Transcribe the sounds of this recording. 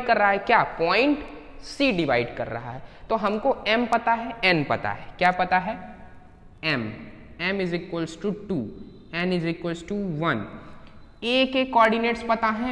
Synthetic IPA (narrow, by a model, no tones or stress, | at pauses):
kɐɾːɐɦaɦɛkjaːpɔːɪ̃ɳʈ | siːɖɪʋa̰ːɪɖkɐɾːɐ̰ɦa̰ɦɛt̪oɦɐmkoɛmpɐt̪aɦɛɛnpɐ̰t̪a̰ɦɛkjaːpɐt̪aɦɛ | ɛm | ɛmɪzɪkwəlsʈuʈuː | ɛnɪzɪkwəlsʈuʋɐn | eːkekɔːɾɖɪneːʈspɐt̪aɦɛ̃